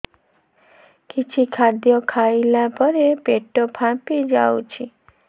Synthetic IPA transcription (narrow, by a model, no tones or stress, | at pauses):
kit͡ʃʰikʰaɾd̪jɔkʰajlabʱɔɾepeʈɔpʰãpid͡ʒawt͡ʃʰi